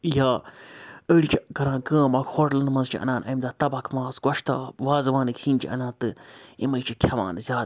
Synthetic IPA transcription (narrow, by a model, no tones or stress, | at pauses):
jaː | əːɽit͡ʃʰikɐɾãːɡə̃ːmɐkhoʈlɨnmɐnzt͡ʃʰiʔɐ̰nãːnʔɐ̰jmd̪aːt̪ɐbɐkʰmãːzɡɔʃt̪a̰ːʋaːzʋãːnɨkʰiːnt͡ʃʰḭʔɐ̰nãːt̪ɨimɐjt͡ʃʰikʰʲɐʋa̰ːnzʲaːd̪